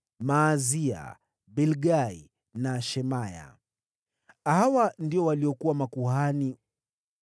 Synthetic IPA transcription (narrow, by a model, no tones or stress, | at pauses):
maːzia̰ | bɛlɡai | naʃɛmaja̰ | hhawandiɔwaliɔkuwamakuhani